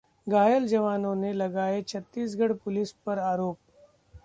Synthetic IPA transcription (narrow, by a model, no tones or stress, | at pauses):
ɡaːjəld͡ʒɐʋaːnõnelɐɡaːet͡ʃʰɐt̪ːiːsɡʱəɽpʊlispəɾaːɾoːp̚